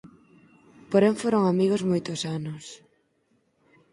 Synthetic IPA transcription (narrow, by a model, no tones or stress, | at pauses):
poɾeŋfoɾoŋamiɣozmojt̪osanʊs